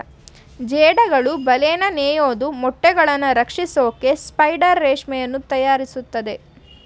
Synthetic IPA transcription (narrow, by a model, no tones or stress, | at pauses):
d͡ʒeːɽɐɡɐɭubɐleːnɐneːjoːd̪umɔʈːɛɡɐɭɐnːɐɾɐkʂisoːke̞spɐjɖɐɾːeːʂmɛjɐnːut̪ɐjaːɾisut̪ːɐd̪e̞